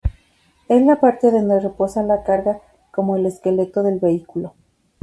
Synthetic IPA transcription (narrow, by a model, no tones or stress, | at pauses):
e̞zlapaɾt̪eðo̞nd̪ere̞po̞salakaɾɣa | ko̞mo̞ele̞ske̞le̞t̪o̞ðe̞lβe̞ikulo̞